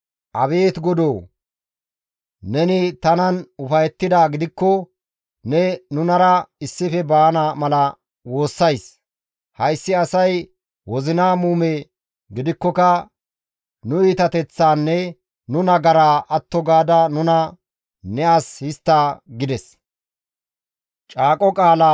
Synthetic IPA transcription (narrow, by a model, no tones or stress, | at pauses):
ʔɐbe̞ːt̪ɡɔd̪oː | nɛnɪt̪ɐnɐnʊfɐjɛt̪ːɪd̪aːɡɪd̪ɪkːɔ | nɛnʊnɐɾɐɪsːɪfɛbaːnamɐlɐ | wo̞ːsːɐjs | hɐjsːɪɐsɐj | wɔzɪnaːmuːme | ɡɪd̪ɪkːɔkɐ | nʊiːt̪ɐt̪ɛt͡sːaːnːɛ | nʊnɐɡɐɾaːʔɐt̪ːɔɡaːd̪ɐnʊnɐ | nɛʔashɪst̪ːaːɡɪd̪ɛs | t͡ʃʼaːkʼɔkʼaːla